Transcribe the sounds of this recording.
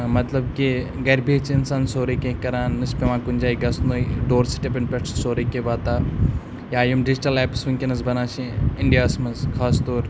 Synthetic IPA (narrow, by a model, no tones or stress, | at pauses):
mɐt̪lɐb̚kiɡɐɾbʱeːt͡ʃinsaːnsoːɾikekɐɾãːnːɨspeʋãːkunʲd͡ʒaːiɡɐsnoːiɖoːɾsi̥ʈepʲeɳpeʈʰsoːɾikeʋaːt̪aː | jaːjumɖɪd͡ʒʈɐleːpsʋiŋkenɐzbɐnaːt͡ʃĩɪɳɖijaːsmɐzkʰaːst̪oːɾ